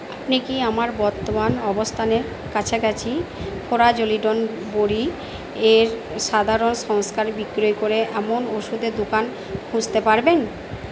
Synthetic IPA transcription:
apnikiamaɾbɔɾt̪ːomanɔbost̪ʰaneɾ | kat͡ɕʰeɡɛt͡ɕʰifʰoɾad͡ʑoliɖon | boɾi | eɾ | ʃad̪ʱaɾonʃɔŋskaɾbikɾojkoɾeʔɛmonoʃud̪ed̪okan | hũd͡ʑt̪epaɾben

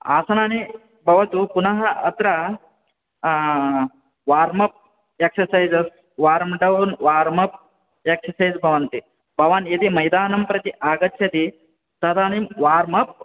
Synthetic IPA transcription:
a̰ːsɐnaːni | bʱɐʋɐt̪upunɐɦɐɐt̪ɾɐ | ʋaːɾmɐp̚ | eksɐsɐjzɐs | ʋaːɾmɖɐwnʋaːɾmɐp̚ | eksɐsɐjzbʱɐʋɐnt̪i | bʱɐʋaːnjɐt̪imɐjd̪aːnɐmpɾɐt̪iʔaːɡɐt̪ːʃʰɐt̪i | t̪ɐd̪aːnimʋaːɾmɐp̚

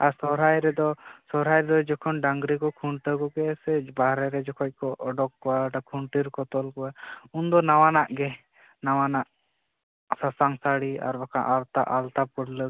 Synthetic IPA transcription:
aɾsɔɾajɾɛd̪ɔsɔɾajɾɛd̪ɔd͡ʒɔkʰɔnɖaŋɡɾikɔkʰuɳʈəkɔɡɛsɛbaɾɛɾɛd͡ʒɔkʰɔc̚ˀkɔɔɖɔkːɔaʈakʰuɳʈiɾkɔt̪ɔlkɔaund̪ɔnawanaʔɡɛ | nawanaʔ | sasaŋsaɽia̰ɾbakʰaʔalt̪a̰ʔalt̪apɔɽlə

